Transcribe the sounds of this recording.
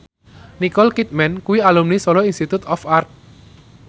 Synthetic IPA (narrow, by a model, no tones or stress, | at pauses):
nikɔlkit̪̚mɛnkuwialumnisɔlɔinst̪it̪ut̪ɔfart̪̚